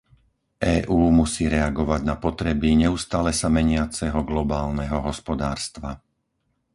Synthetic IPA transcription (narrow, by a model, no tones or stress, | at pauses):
ʔɛːʔuːmusiːɾɛaɡɔʋaɟnapɔt̪ɾɛbiɲɛust̪aːlɛsamɛɲɪat͡sɛɦɔɡlɔbaːlnɛɦɔɦɔspɔd̪aːɾst̪ʋa